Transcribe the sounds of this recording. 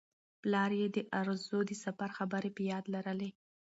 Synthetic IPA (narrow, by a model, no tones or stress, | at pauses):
plɑɾjed̪əʔaɾzod̪əsafaɾxabəɾepəjɑd̪laɾəle